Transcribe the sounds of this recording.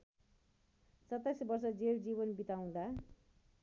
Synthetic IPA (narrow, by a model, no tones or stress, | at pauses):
t͡sʌt̪ajsbʌrsʌd͡zeld͡ziβʌnbit̪aw̃d̪a